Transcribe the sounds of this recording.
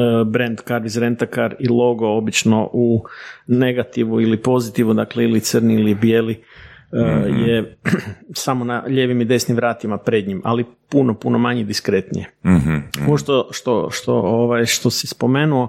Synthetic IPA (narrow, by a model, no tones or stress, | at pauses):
bɾe̞nd̪kaɾʋizɾent̪akaɾilˠo̞ɡo̞obit͡ʃno̞̰ʔune̞ɡat̪iʋuilipo̞zit̪iʋud̪akleilit̪sərniilibjeliəje | samonaʎe̞ːʋimid̪e̞snimʋɾaːt̪imapɾe̞d̪ɲimʔa̰lipunopuno̞maɲid̪iskɾe̞t̪nḭje | ooʃt̪oʃt̪oʃt̪o̰oʋajʃt̪o̞sispo̞me̞nuo